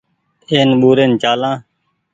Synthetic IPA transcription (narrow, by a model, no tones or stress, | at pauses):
eːnɓuːɾeːnt͡ʃaːlãː